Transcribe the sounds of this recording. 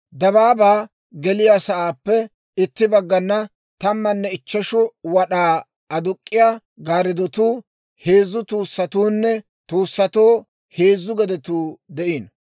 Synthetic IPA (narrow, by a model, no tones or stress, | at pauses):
d̪ɐβaːbaː | ɡɛlɪjaːsɐʔaːpːɛ | ɪt̪ːɪbɐɡːɐnːɐ | t̪ɐmːɐnːɛɪt͡ʃːɐʃʊwɐɗaː | ɐd̪ʊkʼːɪja | ɡaːɾɪd̪ɔt̪uː | heːzːʊt̪uːsːɐt̪uːnːɛ | t̪uːsːɐt̪oː | he̞ːzːʊɡɛd̪ɛt̪uːd̪ɛʔiːn